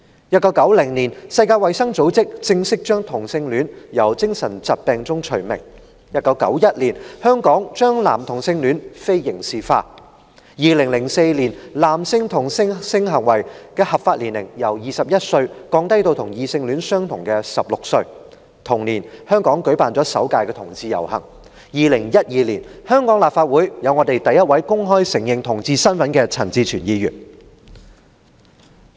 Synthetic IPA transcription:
jɐ˥t̚kɐ˨˥wkɐ˨˥wlɪ˨˩ŋniː˨˩nsɐ˧jkaː˧jwɐ˨jsɐ˥ŋt͡so˨˥wt͡sɪ˥k̚t͡sɪ˧ŋsɪ˥k̚t͡ʃœː˥ŋt̪ʰʊ˨˩ŋsɪ˧ŋlyː˨˥njɐ˨˩wt͡sɪ˥ŋsɐ˨˩nt͡sɐ˨t̚pɛː˨˧ŋt͡sʊ˥ŋt͡ʃʰɵ˨˩ɥmɪ̰˨˩ŋ | jɐ˥t̚kɐ˨˥wkɐ̰˨˥wjɐ˥t̚liː˨˩nhœː˥ŋkɔː˨˥ŋt͡ʃœː˥ŋla̰ː˨˩mt̪ʰʊ˨˩ŋsɪ˧ŋlyː˨˥nfe˥jjɪ˨˩ŋsiː˨fa̰ː˧ | jiː˨˧lɪ˨˩ŋlɪ˨˩ŋse˧jliː˨˩nlaː˨˩msɪ˧ŋt̪ʰʊ˨˩ŋsɪ˥ŋsɪ˧ŋɦɐ˨˩ŋwɐ˨˩jkɛː˧hɐ˨p̚faː˧t̚liː˨˩nlɪ̰˨˩ŋjɐ˨˩wjiː˨˧sɐ˨p̚jɐ˥t̚sɵ˧ɥkɔː˨˧˥ŋt̪ɐ˥jt̪o˧wt̪ʰʊ˨˩ŋjiː˧sɪ˧ŋlyː˨˥nsœː˥ŋt̪ʰʊ˨˩ŋkɛː˧sɐ˨p̚lʊ˨k̚sɵ˧ɥ | t̪ʰʊ˨˩ŋniː˨˩nhœː˥ŋkɔː˨˥ŋkɵ˨˥ɥpaː˨nt͡sɔː˨˥sɐ̰˨˥wkaː˧jkɛː˧t̪ʰʊ˨˩ŋt͡siː˧jɐ̰˨˩whɐ̰˨˩ŋ | jiː˨˧lɪ˨˩ŋjɐ˥t̚jiː˧liː˨˩nhœː˥ŋkɔː˨˥ŋlaː˨p̚faː˧t̚wuː˨˥jjɐ˨˧wŋɔː˨˧t̪e˨jt̪ɐ˨jːɐ˥t̚wɐ˨˥jkʊ˥ŋɦɔː˥jsɪ˨˩ŋjɪ˨˩ŋt̪ʰʊ˨˩ŋt͡siː˧sɐ˥nfɐ˨˥nkɛː˧t͡sʰɐ˨˩nt͡siː˧t͡ʃʰyː˨˩njiː˧jy̰ː˨˩n

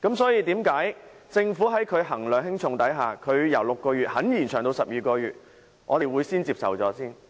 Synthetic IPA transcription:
kɐ˨˥msɔː˨˥jiː˧t̪iː˨˥mkaː˨˥j | t͡sɪ˧ŋfuː˨˥ɦɐ˨˥jkʰɵ˨˧ɥɦɐ˨˩ŋlœː˨ŋɦɪ˥ŋt͡sʰʊ˨˧ŋt̪ɐ˨˥jɦaː˨kʰɵ˨˧ɥjɐ˨˩wlʊ˨kːɔː˧ɥyː˨t̚hɐ˨˥njiː˨˩nt͡ʃʰœː˨˩ŋt̪o˧wsɐ˨p̚jiː˨˧kɔː˧ɥyː˨t̚ | ʔɔ̰ː˨˧t̪e˨jwuː˨˧jsiː˥nt͡siː˧psɐ̰˨˩wt͡sɔː˨˥siː˥n

